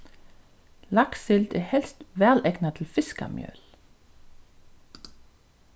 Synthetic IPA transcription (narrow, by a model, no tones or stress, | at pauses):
lɑksɪld̪eːhɛlst̪ʋæʁlɛɡnɑt̪ʰɪlfɪskɑ̰mjœ̰ːl